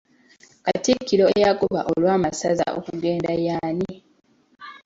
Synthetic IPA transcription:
katikiɾo̞ejakoβa̰ʔo̞lwaːmasaza̰ʔo̰kuɡe̞ːndajaːni

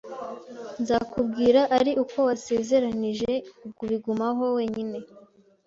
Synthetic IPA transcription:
nzakubɡiːɾaʔaɾiʔuko̞wase̞ze̞ɾaniʒe̞ub̚ɡuβiɡumaɦo̞we̞ːɲine̞

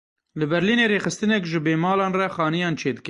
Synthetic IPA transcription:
lɨbɛɾliːneːɾeːxɨst̪ɨnɛkʒɨbeːmɑːlɑːnrɛxɑːnijɑːnt͡ʃʰeːd̪ɨk

